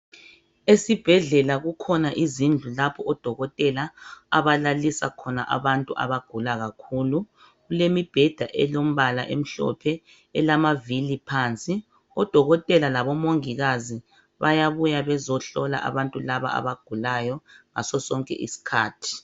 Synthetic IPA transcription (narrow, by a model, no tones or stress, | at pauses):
esib̥ʱɛɮɛlaɣukʰɔnaʔizind͡ɮʱulapʰɔʔɔd̥ʱɔɣɔtʼɛlaːβalalisa̰kʰɔna̰ʔa̰βantʼuʔa̰βaɡ̥ʱulaɣakʰuːlu | ɣulemib̥ʱɛd̥ʱaʔɛlom̩βala̰ʔḛm̩ɬɔ̰pʰɛ | ɛlamavilipʰant͡sʼi | ɔd̥ʱɔɣɔtʼɛlalaβɔmoŋiɣazi | βajaβujaβɛzɔɬɔla̰ʔa̰βantʼulaβa̰a̰βaɡ̥ʱulajɔŋa̰sɔsɔŋkʼɛ̰ʔḭsi̥kʰaːtʰi̥